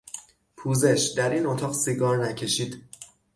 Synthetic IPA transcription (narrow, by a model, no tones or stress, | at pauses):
pʰuːze̞ʃd̪æɾiːno̞t̪ʰɒːʁsiɡɒːɾnæcʰe̞ʃiːd̪̥